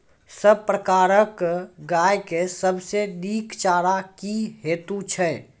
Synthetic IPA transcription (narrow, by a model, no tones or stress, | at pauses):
səb̚pɾəkaːɾəkɡaːjkesəbseniːkt͡ʃaːɾakiɦeːt̪ut͡ʃʰɛ